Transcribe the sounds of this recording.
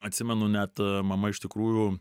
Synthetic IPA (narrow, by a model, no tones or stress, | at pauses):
ɐt̪ʲsʲɪmʲɛnʊnʲæt̪mɐmɐɪʃt̪ʲɪkɾuːju